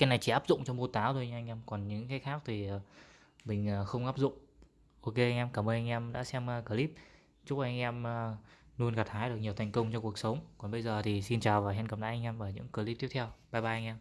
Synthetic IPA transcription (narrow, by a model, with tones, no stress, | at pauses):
kaː˨˦jna˨˩jt͡ɕi˧˩ʔaː˦˥p̚zʊ̰˧˨ŋ͡mt͡ɕɔ˧wŋ͡mmu˧t̪aː˨˦wt̪ʰo˧ɲa˧ŋ̟ʔɛ˧mkɔ˨˩nɲɨ̰˧˥ŋkaː˨˦jxaː˦˥k̚t̪ʰiː˨˩˨ | mï˨˩ŋ̟əː˨˩xə˧wŋ͡mʔaː˦˥p̚zʊ̰˧˨ŋ͡m | ʔo˧ke˧ʔa˧ŋ̟ʔɛ˧mkaː˧˩məː˧na˧jŋ̟ʔɛ˧mɗa̰ː˧˥sɛ˧m˧kəː˧˩li˦˥p̚ | t͡ɕʊ˦˥k͡p̚a˧˩ʔa˧ŋ̟ʔɛ˧mː˧nu˧ənka˨˩t̪ʰaː˨˦jɗək̚ɲi˨˩əwt̪ʰjŋ̟kə˧wŋ͡mt͡ɕɔ˧ŋ͡mkək̚sə˨˦wŋ͡mkɔ˨˩nɓə˧jzəː˨˩t̪ʰi˨˩si˧nt͡ɕaː˨˩wvaː˨˩ɦɛ˧nkə˨˩mɗa̰ː˧˥ʔa˧ŋʔɛ˧mʔəː˧˩ɲɨ̰˧˥ŋkəː˧˩li˦˥p̚t̪i˦˥ət̪ʰɛ˧wɓaː˧˩ɓaː˧˩ʔa˧jŋʔɛ˧m